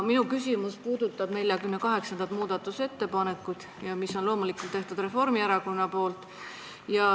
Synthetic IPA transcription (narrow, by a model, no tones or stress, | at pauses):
minukys̬ʲimuspuːd̪ut̪ːˑɑb̥ne̞lʲjɑkymne̞kɑɦe̞ksɑnd̪ɑt̪muːd̪̥ɑt̪ːˑuse̞t̪ːe̞pɑne̞kːˑud̪̥ | jɑmisːo̞nlo̞ːmulikːˑult̪ːeht̪ud̪re̞fo̞rmiæɾɑko̞nːɑpo̞ːlt̪ˑ | jɑ